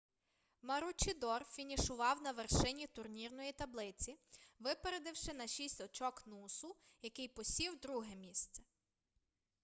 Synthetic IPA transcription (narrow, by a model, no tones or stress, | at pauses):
mɐɾut͡ʃɪd̪ɔrfʲinʲiʃʊʋɑwnɐʋerʃɪnʲit̪ʊrnʲirnɔjit̪ɐblˠɪt͡sʲiʋɪpeɾed̪ɪwʃɪnɐʃʲisʲtʲɔt͡ʃɔknusʊjɐkɪjpɔsʲiwd̪ɾuɦɛmʲist̪sɛ